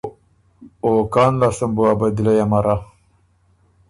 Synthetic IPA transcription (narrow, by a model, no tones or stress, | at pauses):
okaːnlasambuabad̪ilajamaɾa